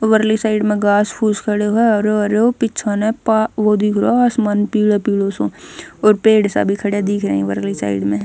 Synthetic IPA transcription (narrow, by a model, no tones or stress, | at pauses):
oʋəɾlisaːɪɖmẽɡaːspʰuːskʰəɽeɦoeɔːɾɾopɪt͡ʃʰanepaʋoːd̪ikʰɾoɐsmanpiːɽepiːɽosõːoːɾpeːɽsa̰bʱikʰəɽed̪iːkʰɾəĩʋəɾlisa̰ːɪɖmẽ